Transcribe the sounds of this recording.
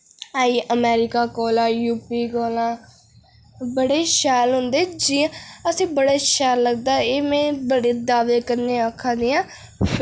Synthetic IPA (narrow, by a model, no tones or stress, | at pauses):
aːiːʔəmɛːɾɪkaːkɔːlãːjuːpiːɡoːlãː | bəɽeːʃɛːlɦʊ̃nd̪eːd͡ʒiːãəsĩːbəɽeːʃɛːlːəɡd̪aːeːmɛ̃ːbəɽeːd̪aːʋeːkəɾneːəkʰːãːd̪eːãː